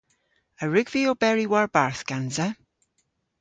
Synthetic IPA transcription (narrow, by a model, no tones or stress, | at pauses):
əɹʉɡviobɛɹiwaɹbaɹθɡ̥ãnzə